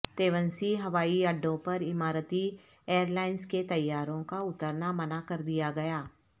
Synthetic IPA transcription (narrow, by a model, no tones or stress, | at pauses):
t̪eːʋə̃nsiɦɐʋaːiɐɖːõpɐɾɪmaːɾət̪i | eːəɾlaːɪnsket̪ɐjːaːɾõkaʊt̪əɾnamɐnakɐɾd̪ijaɡɐjaː